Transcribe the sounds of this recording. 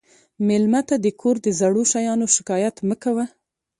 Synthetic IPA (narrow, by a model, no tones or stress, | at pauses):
mɪlmat̪ad̪əkʰoɾd̪əzaɽoʃajɑnoʃɪ̥kɑjat̪məkawa